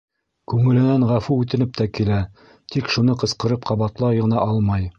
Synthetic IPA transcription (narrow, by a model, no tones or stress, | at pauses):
kʉŋɘ̆lɘ̆nænʁæfuʉt̪ɘ̆nɘp̚t̪ækilæ | t̪ikʃunɤqɤ̆sqɤ̆ɾɤp̚qɑβɑt̪lˠɑʁɤ̆nɑʔɑlˠmɑj